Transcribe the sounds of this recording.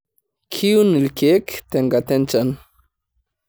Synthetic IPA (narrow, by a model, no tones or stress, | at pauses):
kʰiunilkʰekt̪eŋɡat̪ent͡san